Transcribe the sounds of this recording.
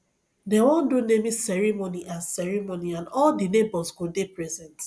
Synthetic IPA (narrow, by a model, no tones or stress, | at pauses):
dewɔ̃ndonemisɛɹimoniʔãnsɛɹimoniãnɔldinebɔzɡodepɹɛzɛ̃nt